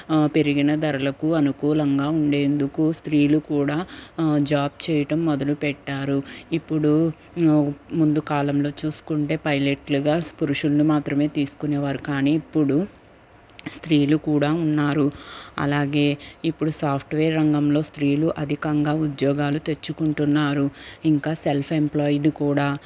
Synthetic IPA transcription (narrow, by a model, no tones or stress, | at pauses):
pe̞ɾiɡinɐd̪ɐɾɐlɐkuɐnukuːlɐŋɡaːuɳɖe̞ːnd̪ukust̪ɾiːlukuːɽaːd͡ʒaːb̚t͡ʃɛːjɐʈɐmːɔd̪ɐlupɛʈːaːɾuipːuɽu | mund̪ukaːlɐmlo̞ːt͡ʃuːsu̥kuɳʈe̞ːpɐjleʈluɡaːpuɾuʂulɐnimaːt̪ɾɐme̞ːt̪iːsu̥kuneːʋaːɾukaːniːipːuɽu | st̪ɾiːlukuːɽaːunːaːɾuɐ̰laːɡe̞ːipːuɽusaːpʰʈʋeːɾːɐŋɡɐmlo̞ːst̪ɾiːluʔɐd̪ʱikɐŋɡaːud̪jɔːɡaːlut̪e̞t͡ʃːukuɳʈunːaːɾuiŋkaːselpʰe̞mplaːjɖkuːɽaː